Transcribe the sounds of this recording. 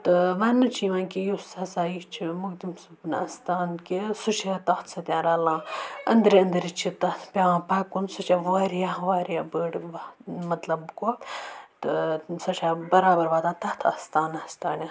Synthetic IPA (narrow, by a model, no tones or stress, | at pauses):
t̪ɨʋaːnːɐt͡ʃʰiʋãːnkijusɐsaːjit͡ʃʰimuɡd̪imsubnɐst̪aːnkisut͡ʃʰet̪ɐxt̪ʰsɐt̪ʲjãːɾaːlãːɐnd̪ɾiɐnd̪ɾit͡ʃʰit̪ɐt̪ʰpʲeʋãːpaːkːunsut͡ʃʰɐʋaːɾijaʋaːɾjabəːɽʋɐmɐt̪lɐbkot̪ɨsɐt͡ʃʰaːbɐɾaːbɐɾʋaːt̪aːt̪ɐt̪ʰɐst̪aːnɐst̪aːnjã